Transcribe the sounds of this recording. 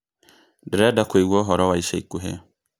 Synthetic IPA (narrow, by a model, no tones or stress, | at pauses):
dɾɛdakweiwɔɦɔɾɔwaiʃeikuɦḛ